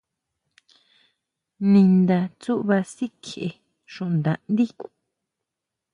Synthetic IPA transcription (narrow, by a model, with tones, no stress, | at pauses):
nĩ˧nd̪a˧t͡su˦ʔβa˧si˦kʰe˨ʔe˧ | ʃũ˨ʔnd̪ã˨ʔnd̪i˦ku̥˨